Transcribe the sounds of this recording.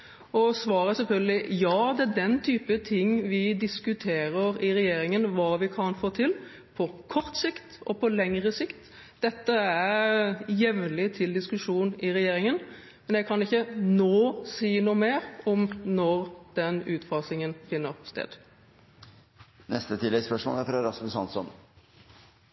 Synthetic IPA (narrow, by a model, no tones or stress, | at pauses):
ɔsʋɑːɾəsɛlfœlɡəlɪjɑːd̪ɛæd̪ɛnt̪ʰyːpət̪ʰɪŋːʋɪd̪ɪskʉt̪ʰeːɾəɾɪɾɛjeːɾɪŋənʋɑːʋɪkʰɑnfoːt̪ʰɪl | pʰɔkʰɔɾt̪sɪkt̪ɔpʰɔlɛŋʁəsɪkt̪ | d̪̥ɛt̪ːəæɾjɛʋnlɪt̪ʰɪld̪ɪskʉʂuːnɪɾɛjeːɾɪŋən | mɛnjɛɡkʰɑnɪçːənoːsiːnuːmeːɾɔmnɔʁd̪̥ɛnʉːt̪fɑsɪŋənfɪnːəʁst̪ḛːd̪ | nɛst̪ət̪ʰɪlːɛɡspœʂmo̰ːlæfɾɑɾɑsmʉsɑ̰nsɔ̰n